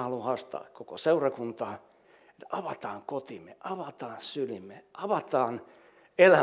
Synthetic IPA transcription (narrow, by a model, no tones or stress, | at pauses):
ɑluhɑst̪ɑ̰ːkkoko̰seurɑkunt̪ɑː | et̪ɑʋɑt̪ɑːŋkot̪imḛʔɑʋɑt̪ɑːnsylimeɑʋɑt̪ɑːn | elæ